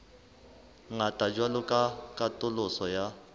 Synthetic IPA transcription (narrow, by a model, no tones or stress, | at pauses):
ŋatʼad͡ʒwalʊkʼakʼatʼʊlʊsɔja